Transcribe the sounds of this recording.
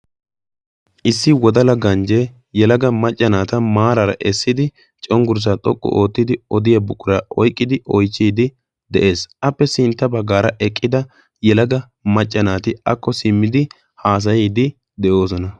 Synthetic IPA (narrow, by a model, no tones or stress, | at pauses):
ʔɪsːɪwɔd̪ɐlɐɡɐnd͡ʒɛ | jɛlɐɡɐmɐt͡ʃʼːɐnaːt̪ɐmaːɾɐɾɐ̰ʔɛsːɪd̪ɪ | t͡ʃʼɔŋɡʊɾs̬at̪ʼɔkʼːʊ̰ʔo̞ːt̪ːɪd̪ɪɔd̪ɪjɐbʊkʼːʊɾaʔɔjkʼːɪd̪ɪʔɔjt͡ʃːiːd̪ɪ | d̪ɛʔe̞ːsʔɐpːɛsɪnt̪ːɐbɐɡːaːɾɐʔɛkʼːɪd̪ɐ | jɛlɐɡɐ | mɐt͡ʃʼːɐnaːt̪ɪɐkːɔsɪmːɪd̪ɪ | haːs̬ɐjɛːd̪ɪ | d̪ɛʔo̞ːs̬ɔnɐ